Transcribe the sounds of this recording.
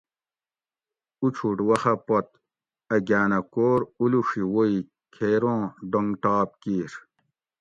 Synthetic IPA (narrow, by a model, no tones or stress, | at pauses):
ut͡ɕʰuʈwɐxɐpot̪ | ɐɡaːnɐkoːɾuluʂiwoi | kʰeːɾõːɖoŋɡʈaːp̚kiːɾ